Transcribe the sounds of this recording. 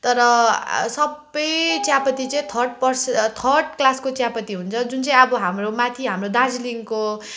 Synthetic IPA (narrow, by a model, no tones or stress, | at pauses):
t̪ʌɾʌsʌbʌjt͡sjapʌt̪it͡sʌĩt̪ʰʌrɖpʌrst̪ʰʌrɖklaskot͡sjapʌt̪iɦunt͡sʰʌd͡zunt͡saĩʌbʌɦamromat̪ʰiɦamrod̪ãd͡zliŋko